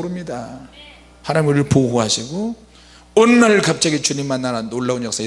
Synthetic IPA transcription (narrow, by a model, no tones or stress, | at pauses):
ɾɯmɲida | haɾamɯɾɯɭpoɦoɦaɕʰiɡo | ʌnːaɭkap̚t͡ɕ͈aɡit͡ɕuɲimːanːaɾanːoɭːauɲjʌk̚s͈a